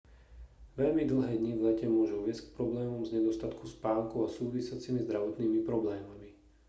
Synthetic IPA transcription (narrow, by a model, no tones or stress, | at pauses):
ʋɛʎmid̪l̩ɦɛːd̪ɲivlɛcɛmʊɔʒuʋɪɛsck̚pɾɔblɛːmɔmzɲɛd̪ɔst̪at̪kʰuspaːŋkuasuːʋisɪat͡simizd̪ɾaʋɔt̪niːmipɾɔblɛːmami